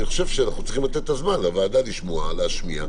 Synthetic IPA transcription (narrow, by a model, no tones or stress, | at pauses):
niχo̞ʃevʃeanaχnut͡si̥χimlat̪et̪ːazmanlavaːdaliʃmoaleaʃmia̰